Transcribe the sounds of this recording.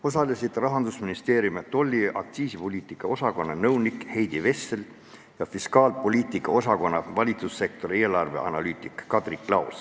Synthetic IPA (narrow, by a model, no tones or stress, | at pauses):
o̞sɑlisid̪rɑɦɑnd̪usminist̪e̞ːɾjumet̪o̞lʲːiʔɑkt̪siːsipo̞lʲiːt̪ˑikːˑɑo̞sɑko̞nːɑnɤwnikhe̞jd̪ive̞sːel | jɑfiskɑːlpo̞lʲiːt̪ˑikˑːɑo̞sɑko̞nːɑvɑlʲit̪susːe̞k̚t̪o̞ɾie̞ːlɑrve̞̰ʔɑ̰nɑlyːt̪ˑikːɑd̪̥rikˑːlɑws